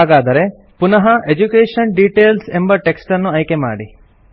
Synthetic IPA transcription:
aːɡaːd̪ɐɾe̞ | punɐɦɐʔed͡ʒukeːʂɐnɖiːʈeːlsembɐʈeksʈɐnːuɐjkema̰ːɽi

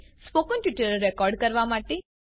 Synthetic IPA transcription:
spokənʈiʈəɾɛkɔːɾɖkəɾʋamaʈe

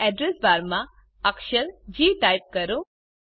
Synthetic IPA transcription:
ɛɖɾesbaːɾmã | ɐkʃəɾd͡ʑiːʈajp̚kɐɾũ

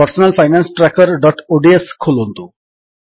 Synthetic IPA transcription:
əɾsɔnəlfʰajnansʈɾakəɾɖɔʈoɖieskʰolɦont̪u

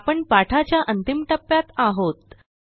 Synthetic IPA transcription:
pəɳpaʈʰat͡ɕjaʔənt̪imʈəpːjat̪aɦot̪

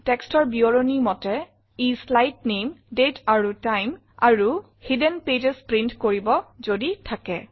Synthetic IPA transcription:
tɛkstɔɹbiɔɹonimɔtɛ | islajtnemdetaɹutajm | a̰ɹu | hidɛnped͡ʒɛspɹintkoɹibɔzoditʰakɛ

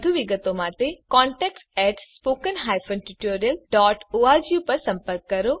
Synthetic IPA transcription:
d̪ʱuʋiɡət̪omãːt̪ekɔːɳʈɛːksɛːʈspoːkənɦaːjpʰonʈiʈoːɾijəlɖɔːʈoːaːd͡ʒjupɐɾsɐ̃mpəɾkːɐɾo

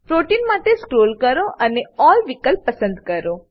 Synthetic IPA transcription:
pɾoʈinmaʈeskɾoːlkəɾoʔəneɔlʋikəlpəsə̃nd̪kəɾo

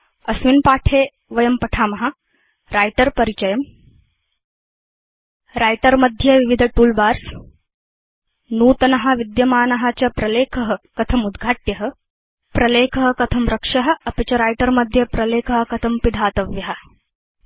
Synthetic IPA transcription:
ɐsʋinpaːʈʰeː | ʋɐjɐmpɐʈʰaːmɐɦa | ɾaːjʈɐɾpɐɾit͡ʃɐjɐm | ɾaːjʈɐɾmɐd̪ʱjɐʋiʋid̪ʱɐʈuːlbaːɾs | nuːt̪ɐnɐɦaʋid̪jɐmaːnɐɦaːt͡ɕɐpɾɐleːkʰɐɦɐkɐt̪ʰɐmud̪ɡʱaːʈjɐɦɐ̆ | pɾɐleːkʰɐɦɐ̆kɐt̪ʰɐmɾɐkʂɐɦɐ̆ɐpit͡ɕɐɾaːjʈɐɾmɐd̪ʱjɐpɾɐleːkʰɐɦɐ̆kɐt̪ʰɐmpid̪ʱaːt̪ɐʋjɐɦa

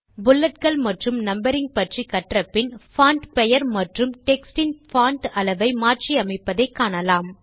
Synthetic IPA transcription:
bʊlːɐʈ̚kɐɭmɐʈrɯmnɐmbɐɾɪŋɡ̚pɐʈrikːɐʈrɐpːɪnfaːɳʈpɛjɐɾmɐʈrɯmʈɛksʈɪnfaːɳʈɐlɐʋɐɪmaːrʈriɐmɐɪpːɐðɐɪkːaːɳɐlaːm

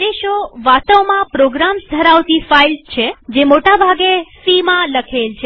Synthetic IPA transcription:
eʃoʋat̪əwmãpɾoɡɾamsd̪ʱəɾaʋt̪ifailt͡ʃʰed͡ʒemoʈabʱaɡesimãləkʰelt͡ʃʰe

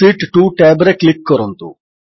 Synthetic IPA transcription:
iːʈʈuːʈɛːbeɾeklikːɔɾont̪ṵ

